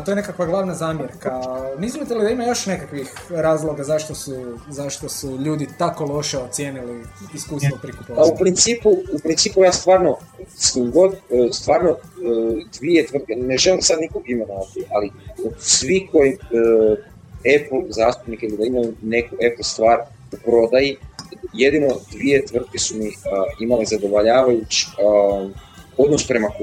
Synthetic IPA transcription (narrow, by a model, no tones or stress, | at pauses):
at̪o̞jene̞kakʋaɡlˠaːʋnazaːmjeɾkaneizmit̪elid̪aimajo̞ʃne̞kakʋixɾaːzlˠoɡazaʃt̪osuzaʃt̪osuʎuːd̪it̪ako̞lo̞ʃeot̪sjeːniliiskuːst̪ʋopɾikupoaupɾint̪siːpuupɾint̪siːpujaːst̪ʋaːɾnosimɡo̞d̪st̪ʋaːɾno | d̪ʋie̞t̪ʋr̩t̪kene̞ʒe̞limsad̪nikoɡime̞noʋat̪iʔalisʋiko̞ji | epl̩zaːst̪upnikilid̪aimajune̞kuʔe̞plst̪ʋaːɾ | upɾo̞d̪ajije̞d̪ino̞d̪ʋije̞t̪ʋr̩t̪̚ke̞sumiimalezad̪o̞ʋoʎaːʋajut͡ʃ | o̞d̪nospɾe̞mako